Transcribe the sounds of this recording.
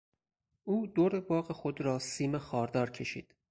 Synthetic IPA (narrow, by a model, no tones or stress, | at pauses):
ʔuːd̪oɾebɒːʁɣexod̪ɾɒːsiːmexɒːɾd̪ɒːɾcʲʰe̞ʃḭːd̪̥